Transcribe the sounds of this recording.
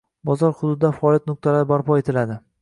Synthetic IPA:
bɒzɒɾhʊd̪ʊd̪ɪd̪afaɒːljat̪nʊq̚t̪ʰalaɾɪbaɾpɒe̞t̪ʰɪlad̪ɪ

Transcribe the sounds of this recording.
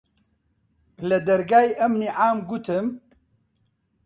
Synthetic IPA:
lɛd̪ɐɾɡaːjiʔɐmniʕaːmɡut̪ʰɨm

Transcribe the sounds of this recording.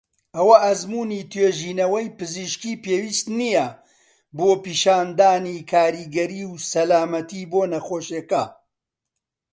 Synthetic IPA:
ɐwɐʔɐzmuːnit̪ʰweːʒiːnɐwɐjpɨziʃkiːpeːwiːst̪nijɐ | boːpiːʃaːnd̪aːnikʰaːɾiːɡɐɾiːwsɐlaːmɐt̪iboːnɐxoːʃeːkɐ

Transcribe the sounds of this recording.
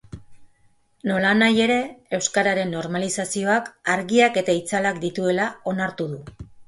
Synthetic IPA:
no̞lanaje̞ɾe̞e̞wskaɾaɾe̞nːo̞ɾmalisasio̞akaɾɣiake̞t̪ait͡salakd̪it̪ue̞lao̞naɾt̪uð̞u

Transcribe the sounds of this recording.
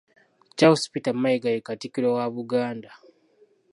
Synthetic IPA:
caospitamːaiɡajekatikiɾowaβuɡaːnda

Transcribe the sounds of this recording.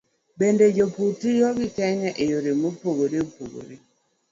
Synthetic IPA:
bended͡ʒoputijɔɡikɛɲaʔejoɾemopoɡoɾeopoɡo̰ɾi

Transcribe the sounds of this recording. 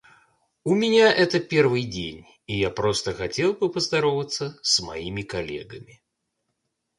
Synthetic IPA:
umʲɪnʲaʔɛt̪əpʲɛrvɨjdʲḛnʲ | ijapɾɔst̪əxatʲelˠbɨpəzd̪ɐɾovət̪sːəsmajimʲɪkalʲḛɡəmʲɪ

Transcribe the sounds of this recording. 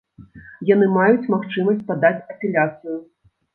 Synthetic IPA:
janɨmajut͡sʲmaxt͡ʂɨmɐsʲt͡sʲpad̪at͡sʲɐpʲɛlʲat̪sɨju

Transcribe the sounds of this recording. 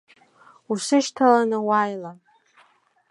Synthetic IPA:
usɨʃtʰalanɨwajla

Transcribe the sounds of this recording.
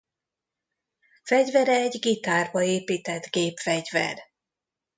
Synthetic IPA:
fɛɟvɛɾɛɛɟɡit̪aːrbɒeːpiːt̪ɛd̪ɡeːpfɛɟvɛ̰r

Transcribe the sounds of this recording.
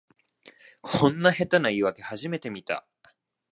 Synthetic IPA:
kʰõ̞nːahe̞t̪anaiβake̞haʑime̞t̪e̞mʲit̪a̰

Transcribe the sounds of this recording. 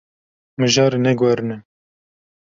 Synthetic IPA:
mɨʒɑːɾenɛɡwɛɾɨnɛ

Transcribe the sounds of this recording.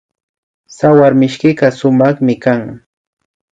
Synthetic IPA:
sawaɾmɪʃkɪɢɑsʊmɑχmɪkaŋ

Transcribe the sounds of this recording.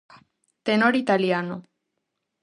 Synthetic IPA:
t̪enoɾit̪aliano

